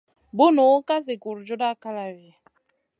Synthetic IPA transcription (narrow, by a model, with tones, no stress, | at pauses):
bu˦no˨˦ka˦zi˨ku˨ɾd͡ʒu˦da˦ka˦la˨vi˨a˨